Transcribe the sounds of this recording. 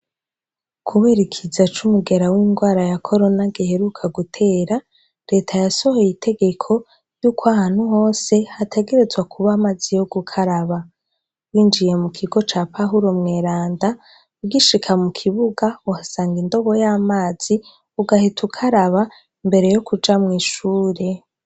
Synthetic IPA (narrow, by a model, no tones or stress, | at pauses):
kʰuβeɾikʰizat͡ʃumuɡe̞ɾawiːŋɡwaːɾajakʰo̞ɾo̞naɡihe̞ɾukʰaɡutʰe̞ːɾa | ɾe̞ːtʰajaso̞hojitʰe̞ɡe̞kʰo̞ | juːkwahaːn̥huɦo̞ːse̞hatʰe̞ɡe̞ɾe̞zwakʰuβamazijo̞ɡukʰaɾaβa | wiːnd͡ʒije̞mukʰiɡo̞t͡ʃaːpʰaɦuɾo̞mŋe̞ːɾaːnda | uɡiʃikʰamukʰiβuɡauhasaːŋɡindo̞βo̞jaːmaːz̥i | uɡahitʰukʰaɾaβa | imbe̞ɾe̞jo̞kud͡ʒamŋiːʃuːɾe̞